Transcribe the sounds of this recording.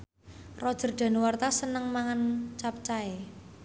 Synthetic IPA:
rɔd̥ʒ̥ə̤rdɖ̪̥a̤nwart̪asənəŋmaŋant͡ʃap̚t͡ʃae

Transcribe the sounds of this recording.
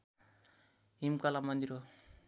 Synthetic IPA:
ɦimkalamʌnd̪iɾo

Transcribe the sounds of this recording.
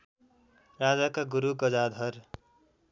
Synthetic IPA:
rad͡zakaɡuɾuɡʌd͡zad̪ʱʌr

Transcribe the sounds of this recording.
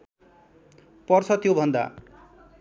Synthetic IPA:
pɔɾsʌt̪ijobʱʌnd̪a̰

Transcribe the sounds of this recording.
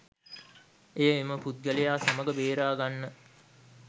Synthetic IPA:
ejəeməput̪̚ɡəlejaːsaməɡəbeːɾaːɡanːə

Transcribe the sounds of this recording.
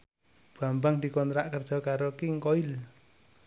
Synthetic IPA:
b̥ambaŋd̪ikɔnt̪ɾaʔkərd̥ʒ̥ɔ̤kaɾokiŋkoil

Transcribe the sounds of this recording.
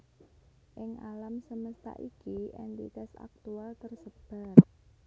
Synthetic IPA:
ʔɪŋʔalamsəməst̪a̰ʔikiʔɛ̰nt̪ḭt̪ɛsa̰k̚t̪ualt̪ərsəb̥a̤t̪̚

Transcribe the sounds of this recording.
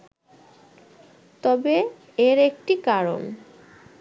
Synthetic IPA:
t̪ɔbe | eɾekʈikaɾo̰n

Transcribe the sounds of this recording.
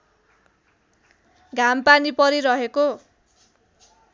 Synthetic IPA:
ɡʱampanipʌɾiɾʌɦeko

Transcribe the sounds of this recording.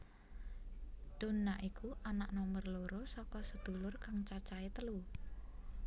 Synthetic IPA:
d̪̥o̤nːaʔikuʔanaʔnɔmərloɾosɔkɔsəd̪̥ṳlʊrkaŋt͡ʃat͡ʃait̪əlu

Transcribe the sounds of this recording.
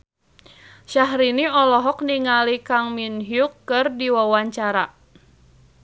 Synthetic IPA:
ʃaɦɾiniɔlɔɦɔkniŋalikaŋminɦjukːɨrdiwawaɲt͡ʃaɾa

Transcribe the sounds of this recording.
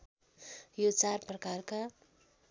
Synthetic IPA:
jot͡sarprʌkarka

